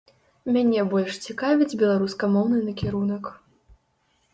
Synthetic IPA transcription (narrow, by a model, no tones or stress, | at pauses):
mʲanʲɛbɔlʲʂt͡sʲikavʲid͡zʲbʲɛlˠaɾuskɐmɔwnɨnɐkʲɛɾunɐk